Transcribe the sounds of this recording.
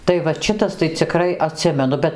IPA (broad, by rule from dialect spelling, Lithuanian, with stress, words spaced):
tɐɪ ʋɐt ˈʃʲɪtɐs tɐɪ t͡sʲɪˈkrɐɪ ɐˈtʲsʲɪmʲɛnʊ ˈbʲɛt